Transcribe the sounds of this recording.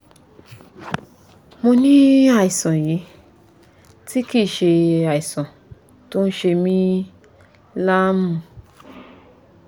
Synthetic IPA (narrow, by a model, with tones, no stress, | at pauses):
mo˧nĩ˦a˨i˨sã˨ji˨˦ | ti˦ki˦˨ʃe˧a˨i˨sã˨ | to˦n̩˦ʃe˧mĩ˦ | la˦mũ˦˧